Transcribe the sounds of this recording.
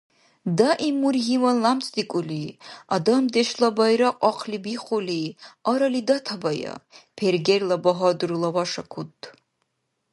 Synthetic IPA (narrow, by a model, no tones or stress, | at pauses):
daʔimurɦimɐnlamt͡sʰʼd̪ikʷʼʊliad̪ɐmd̪eʃlabajɾaqʼɑqʰlibiχʷʊliaɾɐlid̪ɐtʰabajɐ̰pʰerɡʲerlɐbɐɦɔdɨrulɐwaʂɐkʷʰut̪ʰʼː